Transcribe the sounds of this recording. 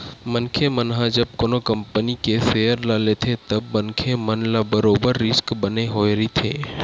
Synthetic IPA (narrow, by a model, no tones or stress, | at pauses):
mənkʰemənɦãd͡ʒəb̚konokəmpənikesejəɾlalet̪ʰet̪əbmənkʰemənlabəɾobəɾːɪskbəneɦoːeɾit̪ʰeː